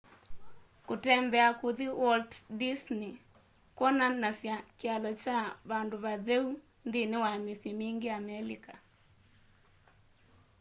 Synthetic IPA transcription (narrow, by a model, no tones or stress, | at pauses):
kotɛmbɛakuðiwɔlddisni | kwɔnanasjakjalɔt͡ʃaβandoβaðɛu | nðinewamisjɔmiŋɡeamɛlika